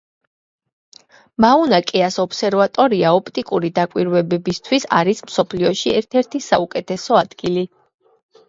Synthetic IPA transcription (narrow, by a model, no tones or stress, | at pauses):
maunakʼɛasɔpsɛɾvat̪ʼɔɾiaɔpʰt̪ʼikʼuɾid̪akʼwiɾwɛbɛbist̪ʰwisaɾismsɔpʰliɔʃiɛɾt̪ʰɛɾt̪ʰisaukʼɛt̪ʰɛsɔad̪̥ɡili